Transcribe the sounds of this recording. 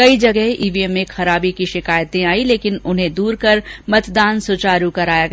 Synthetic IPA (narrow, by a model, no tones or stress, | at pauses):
kɐid͡ʒɐɡɛɦʔiːʋiemːẽxɐɾaːbikiʃɪkaːjt̪ẽaːileːkɪnʊnɦẽd̪uːɾkɐɾmɐt̪d̪aːnsʊt͡ʃaːɾukɐɾaːjaɡ